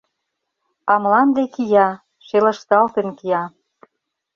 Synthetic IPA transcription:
ɑmlɑnd̪ekijɑ | ʃelə̆ʃt̪ɑlt̪ə̆nkijɑ

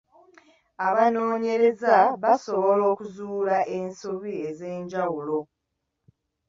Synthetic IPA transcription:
aβano̞ːɲe̞ɾe̞zaβaso̞βo̞lo̞ːkuzuːlaʔe̞nsuβieze̞ːɲɟawulo̞

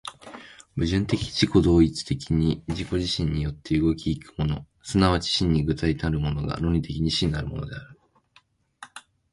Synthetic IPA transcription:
bɯ̟ʑɨ̃nt̪e̞kʲi̥d͡ʑiko̞d̪o̞ːit͡sɨ̥t̪e̞kʲiɲ̟iʑiko̞ʑiɕĩɲ̟ːijo̞t̪ːe̞ɯ̟ɡo̞kʲiːkɯ̟̥mo̞no̞ | sɨnaβat͡ɕi̥ɕĩɲ̟ːiɡɯ̟t̪ait̪aɾɯ̟mo̞no̞ɡa̰ɾo̞ɲ̟it̪e̞kʲiɲ̟iɕĩŋaɾɯ̟mo̞̰no̞d̪e̞aɾɯ̟

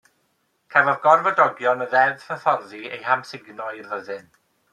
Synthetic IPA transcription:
kʰavɔðɡɔrvɔdɔɡjɔnəðɛðfəθɔrðiḛjhamsɪɡnɔɨvəðɨn

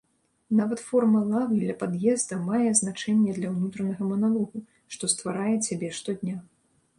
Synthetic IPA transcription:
navɐt̪fɔrmɐlˠavilʲɐpad̪jɛzd̪ɐmajɛznat͡ʂɛnʲːɛd̪lʲɐwnut̪ɾɐnɐɣɐmɐnalˠɔɣu | ʂt̪ɔst̪vaɾajɛt͡sʲabʲɛʂt̪ɔd̪ʲnʲa

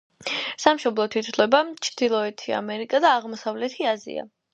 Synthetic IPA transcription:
samʃɔblˠɔt̪ʰit̪slɛbat͡ʃʰd̪̥ilˠɔɛt̪ʰia̰mɛɾikʼad̪aːʁmɔsavlɛt̪ʰiazḭa̰

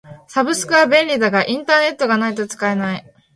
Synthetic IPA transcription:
sabɯ̟sɨ̥kɯabẽ̞nʲɾʲid̪aɡaʔĩnt̪aːne̞t̪ːo̞ɡanait̪o̞t͡sɨ̥kae̞nai

